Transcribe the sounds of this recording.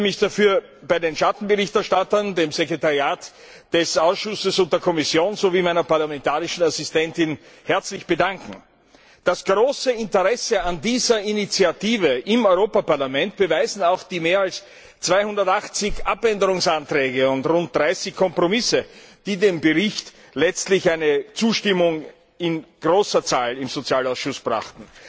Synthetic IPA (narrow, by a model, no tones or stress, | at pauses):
mɪçd̥afyːɐ | b̥aɪdenʃatn̩bəʁɪçtɛɐʃtatɐndeːmzekʁ̥etaʁiaːt | d̥ɛsaʊsʃʊsəsʊnt̚d̥eːɐkʰɔmɪsjoːnzoviːmaɪnɐpaɐlamɛntaːʁɪʃn̩asɪstɛntɪn | hɛɐt͡slɪçb̥ədaŋkŋ̩ | d̥asɡ̥ʁoːsəɪntəʁɛsəandiːzɐinit͡siatiːvəʔɪmɔʏʁoːpapaɐlamɛnt̚b̥əvaɪzn̩aʊxd̥iːmeːɐals | t͡sv̥aɪhʊndɐtaχt͡sɪçʔapɛndəʁʊŋsantʁ̥ɛːɡəʊntʁʊnt̚d̥ʁaɪsɪçkʰːɔmpʁ̥omɪsəd̥iːdeːmbəʁɪçt | lɛt͡stlɪçæɪnət͡suːʃtɪmʊŋ | ɪnɡ̥ʁoːsɐt͡saːlɪmz̥ot͡sjaːlaʊsʃʊsb̥ʁa̰χtn̩